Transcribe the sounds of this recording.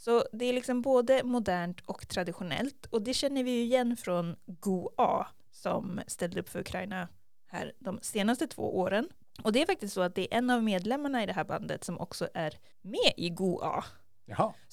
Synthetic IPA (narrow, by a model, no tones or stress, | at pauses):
sɔd̪ɛæɾɭɪksɔmboːd̪əmʊd̪æːɳʈʰɔkt̪ʰɾad̪ɪɧʊnɛ̰lt̪ɔd̪ɛɕɛn̪ːəɾvɪjɵɪjɛnːfɾɔnɡuɑː | sɔ̰mst̪ɛld̪əɵpːfœɾɵkʰɾajna | hæ̰ːɾd̪ɔmseːnast̪ət̪ʰv̥o̰ːʔoːɾən | ʔɔd̪ɛæɾfak̚t̪ɪst̪sɔat̪̚d̪ɛæɾʔɛnːavmeːd̪lɛmːaɳaɪd̪ɛɦæːɾba̰nd̪ə̰t̪sɔmʔɔ̰ksɔʔæɾ | meːʔɪɡuːʔɑ̰ː